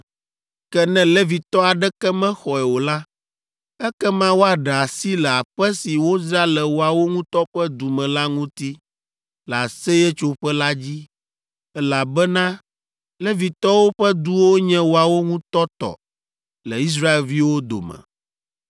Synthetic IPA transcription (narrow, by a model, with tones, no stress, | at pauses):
kɛ˦nɛ̃˦lɛ˦vi˨t̪ɔ˦a˨ɖɛ˦kɛ˦mɛ̃˦xɔ˨ɛ˨wo˨la˦ | ɛ˦kɛ˦mã˦wo˦a˨ɖɛ˨a˨si˦lɛ˨a˨ɸɛ˦si˨wo˦zɾa˦lɛ˨wo˨a˨wo˦ŋũ˦t̪ɔ˦ɸɛ˦d̪u˨mɛ̃˨la˦ŋũ˦t̪i˦ | lɛ˨a˨sɛ˦jɛ˦t͡ʃo˦ɸɛ˦la˦d͡ʑi˦ | ɛ˦la˨bɛ˦nã˦ | lɛ˦vi˨t̪ɔ˦wo˦ɸɛ˦d̪u˦wo˦ɲɛ̃˦wo˨a˨wo˦ŋũ˦t̪ɔ˦t̪ɔ̰˨ | lɛ˨i˦s̬ɾa˦e˨lvi˦wo˦d̪o̰˨mɛ̰̃˨